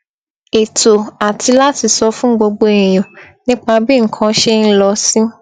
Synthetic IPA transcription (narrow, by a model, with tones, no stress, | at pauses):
e˨to˨a˨tʰi˧la˦ti˧sɔ˧fũ˦ɡ͡bo˧ɡ͡bo˧ẽ˨ĩ˨j̃ɔ̃˨nĩ˦k͡pa˧bi˦˨ŋ̩˨kʰã˧˦ʃe˧n̩˦lɔ˧sĩ˦